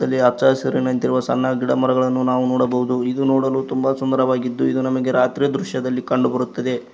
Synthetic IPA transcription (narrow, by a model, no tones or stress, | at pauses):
ɐlːiɐɾt͡ʃaːsɐɾinɐnt̪iɾuʋɐsɐ̰nːɐɡiɽɐmɐɾɐɡɐɭɐnːunaːʋunɔːɽɐbɐɦud̪uid̪unoːɽɐluːt̪umbɐsund̪ɐɾɐʋaːɡid̪ːuid̪unɐmɐɡe̞ɾaːt̪ɾijɐd̪ɾuʃjɐd̪ɐlːikɐɳɖubɐɾut̪ːɐd̪e̞